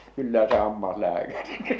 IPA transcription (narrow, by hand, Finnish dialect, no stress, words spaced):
kylːæ se hɑmːɑslæːkæriki